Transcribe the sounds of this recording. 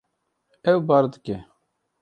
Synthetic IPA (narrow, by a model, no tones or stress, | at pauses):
ɛwbaːɾd̪ɨke